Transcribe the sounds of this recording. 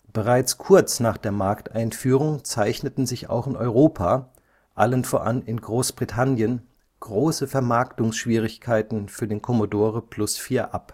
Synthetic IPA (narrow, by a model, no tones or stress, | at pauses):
b̥əʁaɪt͡skʰʊɐt͡snaːχd̥eːɐmaɐktʔaɪnfyːʁ̞ʊŋt͡saɪçnətn̩zɪça̰ʊxɪnʔɔ̰ʏʁoːpʰaː | ʔalənfoːɐʔa̰nɪnɡʁoːsb̥ʁitʰanjən | ɡ̥ʁoːsəfɛɐmaɐktʊŋsʃv̥iːʁ̞ɪçkʰaɪtn̩fyːɐdeːnkʰɔmodoːʁəpʰl̥ʊsfiːɐʔap